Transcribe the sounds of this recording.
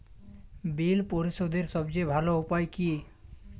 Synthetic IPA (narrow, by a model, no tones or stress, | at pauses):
bilpɔɾisod̪eɾsɔbd͡ʒebʱaloupajki